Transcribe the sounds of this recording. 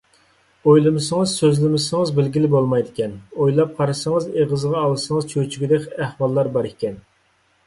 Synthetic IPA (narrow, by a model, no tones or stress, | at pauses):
ojlˠɨmɨsəŋɨzsøzlɪmɪsɪŋɨzbɪlɡʲilɪbolˠmɑjd̪ɪkʲɛnojlˠɑp̚qʰɑɾɨsəŋəzeʁəzʁɑːlˠɨsəŋəzt͡ʃʰøt͡ʃʰyɡʲid̪ɛkʲæhwɑlˠːɑɾbɑɾɪkʲʰɛn